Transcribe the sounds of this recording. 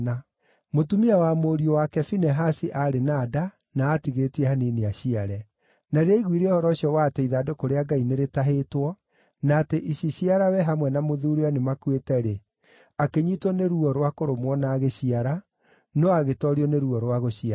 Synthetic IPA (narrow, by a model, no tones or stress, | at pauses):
na | motumiawamoːɾiɔwakɛfinɛɦasiʔaɾenada | naːtiɣetiɛhaneneaɕiaɾɛ | naɾɛiɣwiɾeɔhɔɾɔɕiɔwatɛiðadokoɾeaɡaineɾetaɦetwɔ | naːteʔiɕiɕiaɾawɛɦamwɛnamoðuːɾeanemakwetɛɾe | akeɲitwɔneɾuɔɾwakoɾomwɔnaːɣeɕiaɾa | nɔaɣetɔɾiɔneɾuɔɾwaɣoɕia